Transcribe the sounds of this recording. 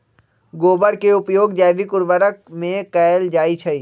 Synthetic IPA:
ɡoːbəɾkeʊpjoːɡd͡ʒɛːʋikʊɾʋəɾək̚mẽkɛːld͡ʒaːit͡ʃʰɐiː

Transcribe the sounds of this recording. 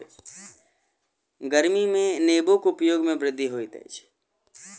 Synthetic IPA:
ɡəɾmimẽneːbokʊpjoːɡmẽbɾɪd̪ʱːiɦoːit̪ɛ̰t͡ʃʰ

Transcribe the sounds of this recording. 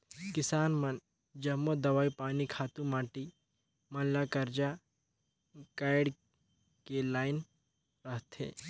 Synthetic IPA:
kɪsaːnmɐn | d͡ʒɐmːod̪ɐʋaːipaːnikʰaːt̪ũmaːʈi | mɐlakɐɾd͡ʒa | kaːɪɖ | kelaːɪn | ɾɐɦt̪ʰḛː

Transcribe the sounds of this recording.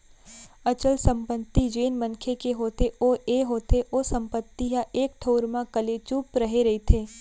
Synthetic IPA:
ɐt͡ʃəlsə̃mpət̪ːid͡ʒeːnmə̃nkʰekeɦoːt̪eʔoeɦoːt̪ʰeʔoːsə̃mpət̪ːiɦaʔeːk̚ʈʰoːɾmãkəlet͡ʃuːpɾɐɦeɾɐɦit̪ʰeː

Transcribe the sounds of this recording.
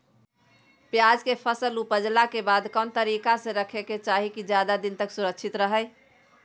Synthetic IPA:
pjad͡ʒkepʰəsəlupəd͡ʒlakebad̪kɔnt̪əɾikasẽɾəkʰeket͡ʃaɦikid͡ʒjad̪ad̪int̪əksuɾəkt͡ʃʰit̪ɾəɦəj

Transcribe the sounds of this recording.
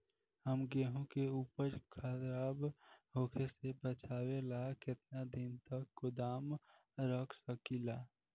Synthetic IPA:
həmɡeːɦõkeuːpəɾkʰad̪ɾaːbɦoːkʰesebət͡ʃʰaːwelakɪt̪nad̪ɪnt̪əkːʊd̪aːm | ɾəkʰsəkilaː

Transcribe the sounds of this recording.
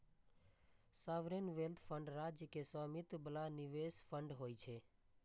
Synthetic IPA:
saʋɾenʋelt̪ʰpʰəɳɖɾad͡ʒjəkesʋamit̪bəlaniʋespʰəɳɖɦoːjt͡ʃʰe

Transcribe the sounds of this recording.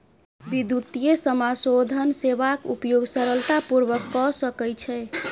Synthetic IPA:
ʋid̪ut̪ijesəmasod̪ʱənseβakupjoɡsəɾəlt̪apuɾʋəkːɔsəkɛjt͡ʃʰɛ

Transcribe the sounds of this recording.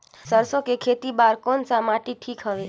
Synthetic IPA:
səɾsokekʰet̪ibaɾkonsamaʈiʈʰikɦəʋe

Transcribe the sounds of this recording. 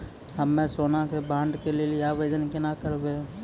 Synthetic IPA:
ɦɐmːẽsoːnakebãːɳɖkelieliaːʋeːd͡ʒənkɪnakəɾbẽː

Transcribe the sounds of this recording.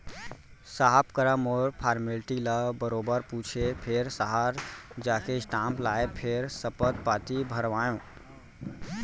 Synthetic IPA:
saɦpkəɾəmoɾpʰaɾmelʈiləbəɾobəɾput͡ʃʰepʰeɾsəɦaɾd͡ʒaːkeisʈãmplaepʰeɾsəpət̪̚pat̪ibʱəɾʋajõ

